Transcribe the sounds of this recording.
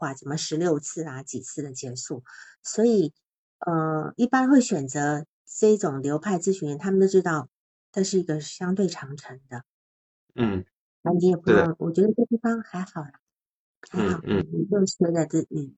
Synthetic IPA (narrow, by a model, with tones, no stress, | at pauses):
xwa˥˩t͡sə˨˩mə˦ʂɻ̩˧˥ljo˥˧ʊt͡sʰɹ̩˥˩ɐ˩t͡ɕi˨˩t͡sʰɹ̩˥˩d̪ə˩t͡ɕjɛ˧˥ʂu˥˩ | swɔ˧˥i˨˩˦ | ə˧i˥˩pa˥nxwe˥˩ɪɕɥɛ˨˩nt͡sɤ˧˥ | ʈ͡ʂɤ˥˩˥ʈ͡ʂʊ˨˩ŋljo˧˥ʊpʰa˥˧ɪt͡sɹ̩˥˩ɕy˥˩njɛ˧˥nt̪ʰa˥mə˨˧t̪o˥ʊʈ͡ʂɻ̩˥t̪ɑ˥˩ʊ | ʈ͡ʂʂɻ̩˥˩i˧˥ɡə˧ɕjɑ˥ŋt̪̬we˥˩ɪʈ͡ʂʰɑ˧˥ŋʈ͡ʂʰɤ˧˥ŋd̪ə˧˥˩ | a˧˥ni˧˥jɛ˨˩pu˧˥ʊ˥˩ŋwʔɔ̰˨˩t͡ɕɥɛ˧˥d̪ə˧ʈ͡ʂɤ˥˧t̪i˥˩fɑ˥ŋxa˧˥ɪxɑ˨˩ʊlə˦ | xa˧˥ɪxɑ˨˩ʊ˨˩i˧˥kɤ˥˩ŋʂɛ˥d̪a˥˧t͡sɹ̩˥˩˨